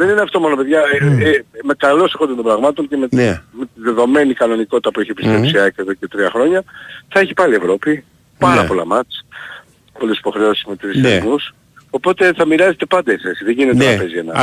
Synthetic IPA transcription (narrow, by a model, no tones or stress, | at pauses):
ðenineɐft̪o̞monopeðʝɐ | me̞kɐlo̞sexond̪et̪o̞bɾɐɣmɐt̪o̞ɲce̞memet̪iðe̞ðo̞me̞nikɐno̞niko̞t̪i̥t̪ɐpueçie̞pist̪ɾepsiɐekeðocet̪ɾiɐxɾo̞ɲɐθɐeçipɐlie̞vɾo̞pi | pɐɾɐpo̞lɐ̰mɐt͡s | po̞lisi̥po̞xɾe̞o̞si̥zmet̪isenus | opo̞t̪e̞θɐmiɾɐzet̪e̞pɐnd̪esesiðe̞ɲʝinet̪eɐpezienɐ̰